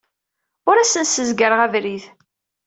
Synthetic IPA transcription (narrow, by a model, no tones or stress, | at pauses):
ʊɾæsənsəzɡəɾʁævɾið